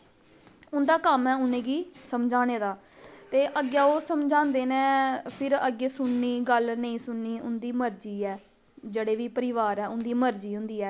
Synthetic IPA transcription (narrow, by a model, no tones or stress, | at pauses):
ʊnd̪aːkəmɛːʊnẽːɡiːsəmd͡ʒaːñeːd̪aː | t̪eːʔəɡjaːoːsəmd͡ʒãːnd̪eːnẽːpʰɪɾəɡeːsʊnːiːɡəlnəĩːsʊnːiːʊnd̪iːməɾd͡ʒiːɛː | d͡ʒeːɽeːʋiːpəɾɪʋaːɾɛːʊnd̪iːməɾd͡ʒiːɦʊ̃nd̪iːɛː